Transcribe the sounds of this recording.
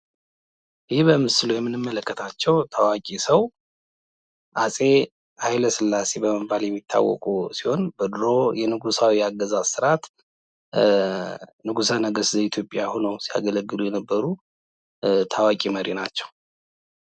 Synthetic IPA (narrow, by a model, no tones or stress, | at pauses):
ʔɪhibəmɨsɨlujɛmːɨnɨmːələkːət̪ʰat͡ʃːɛwt̪ʰawakʼisəw | ʔasʼe̞ | hajləsɨlːase̞bəməbaljɛmːit̪ʰːa̰wːɔ̰kʼusiho̞nbɨd̪ɾo̞jɛnɨɡusawijaɡːəzassɨɾat̪ | nɨɡusanəɡəszəit̪ʰjo̞pʼːjahunowsia̰ɡələɡːɨlujɛnəbːəɾu | t̪ʰawakʼiməɾinat͡ʃːɛw